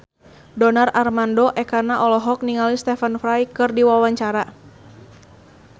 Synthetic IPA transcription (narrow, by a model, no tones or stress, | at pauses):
dɔnararmandɔʔɛkanaʔɔlɔɦɔk̚niŋalist̪ɛfənfɾajkɨrdiwawaɲt͡ʃaɾa